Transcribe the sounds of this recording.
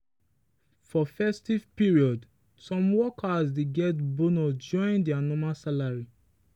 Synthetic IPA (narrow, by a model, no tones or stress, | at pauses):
fɔfɛstivpiɹiɔd | sɔ̃mwɔkʰasdeɡɛtbonɔd͡ʒɔ̃ɪ̃ndɛanɔmasalaɹi